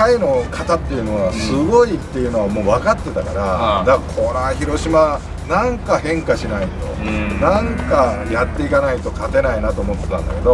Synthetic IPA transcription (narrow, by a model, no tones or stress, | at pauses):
aino̞kʰat̪at̪ːe̞jɯ̟no̞ɡasɨɡo̞it̪ːe̞jɯ̟no̞βamo̞ːβakat̪ːe̞t̪akaɾad̪akʰonaçiɾo̞ɕima | nãŋkahẽ̞ŋkaɕinait̪o̞̰nãŋkajat̪ːe̞ikanait̪o̞kat̪e̞nainat̪o̞ːmo̞t̪ːe̞̥t̪ãnd̪a̰ke̞d̪o̞